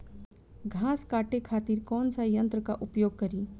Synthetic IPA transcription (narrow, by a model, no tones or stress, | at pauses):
ɡʱãːskaːʈekʰaːt̪iːɾkɔːnsajə̃nt̪ɾəkaʔʊpjoːɡ̚kɐɾiː